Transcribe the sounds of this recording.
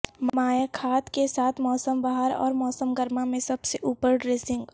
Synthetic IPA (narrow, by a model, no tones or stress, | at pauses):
maːjakʰaːt̪kesaːt̪ʰmɔːsəmbaɦəɾɔ̰ːɾmɔːsəmɡəɾmamẽsɐbseʔuːpəɾɖɾeːsɪ̃ŋɡ